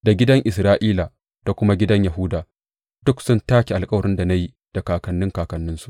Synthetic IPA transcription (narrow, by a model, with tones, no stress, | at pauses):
da˨ɡʲɪ˦dɐ˦ŋʔɪ˨sɾaː˦ʔiː˦la˨ | d̥a˨kʷʊ˦ma˦ɡʲɪ˦dɐ˦ɲja˨ɦʊ˦daː˨ | d̥ʊ˦ksʊ˦ntaː˦kʲi˨ʔa˨lkʼɐ˦wɐ˨ɾɪ˦nda˨na˦ji˦ | d̥a˨kaː˨kɐ˨nːɪ˦ŋkaː˨kɐ˨nːɪ˦nsu˨ʔ